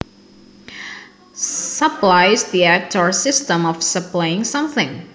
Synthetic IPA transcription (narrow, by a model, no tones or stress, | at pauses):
səplaɪzðiæk̚tʰɔ˞sɪstə̃mɔfsəplaɪɪ̃ŋsʌ̃mθɪ̃ŋ